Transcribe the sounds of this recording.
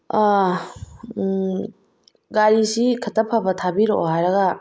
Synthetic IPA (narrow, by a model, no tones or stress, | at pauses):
ɡaɾisikʰɐtʰɐpʰabɐtʰabiɾoɦajɾɐɡɐ